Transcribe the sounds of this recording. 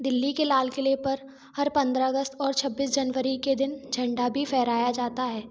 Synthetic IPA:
d̪ɪlːikelaːlkelepɐɾ | hɐɾpɐ̃nd̪ɾaɐɡəst̪ɔːɾt͡ʃʰɐbːiːs̬d͡ʒɐnʋəɾiked̪ɪnd͡ʒʱɐ̃ɳɖabʱifʰɛːɾaːjad͡ʒaːt̪aɦɛː

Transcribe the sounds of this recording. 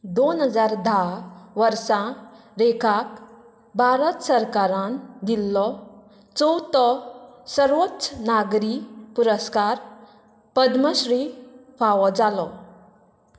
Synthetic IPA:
d̪onɦəd͡zaɾd̪ʱaʋəɾsã | ɾekʰak | bʱaɾət̪səɾkaɾãnd̪ilːɔ | t͡sɔwt̪ɔsəɾʋot̪snaɡɾipuɾəskaɾ | pəd̪məɕɾiːfaʋɔd͡zalɔ

